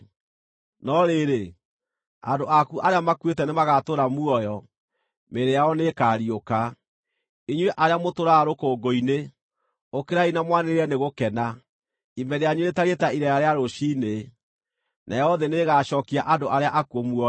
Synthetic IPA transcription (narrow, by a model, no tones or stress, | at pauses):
nɔɾeɾe | andoʔakuʔaɾeamakwetɛnemaɣatoɾamuɔjɔ | meɾeaɔnekaɾioka | eɲweʔaɾeamotoɾaːɾokoːɡoine | okeɾainamwaneɾɾɛneɣokɛna | imɛɾeaɲweetaɾetaiɾɛjaɾeaɾoʃine | nʔa̰jɛɔðɛneɣaɕɔːkiaʔandoʔaɾeaʔakuomuɔ